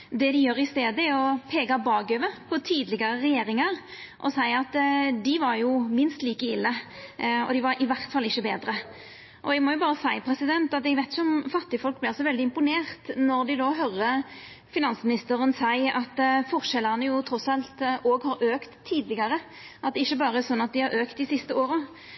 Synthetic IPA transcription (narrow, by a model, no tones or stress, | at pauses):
d̪ɛd̪ɪjøːɾɪst̪eːd̪əɛɔpʰeːɡɑbɑːɡøʋəpʰɔt̪ʰiːd̪lɪɡɑɾəʁɛjeːɾɪŋɑɾʔɔ̰sæɪɑt̪d̪ɪʋɑɾjʊmɪnst̪liːkəɪlːə | ɔ̰d̪ɪʋɑɾɪʋæʁt̪fɑlːɪçːəbeːd̪ɾə | ʔɔɛɡmɔjʊbɑːɾəsæɪpʰɾɛsɪd̪ɛnt̪ɑt̪ɛɡʋæɪt̪ɪçəɔmfɑt̪ːɪfɔlk̚blɪɾɑlsɔʋɛld̪ɪɪmpʊneːʁt̪nɔɾd̪ɪd̪ɔɦœɾə | fɪnɑnsmɪnɪst̪əɾənsæɪɑt̪fɔʁʂɛlːənəjʊt̪ʰɾɔsɑlt̪oːɡhɑɾøːkt̪ʰːiːd̪lɪɡɑɾə | ɑt̪̚d̪ɛɪçːəbɑːɾəɛsɔnːɑt̪̚d̪ɪhɑɾøːkt̪d̪ɪsɪst̪əoːɾə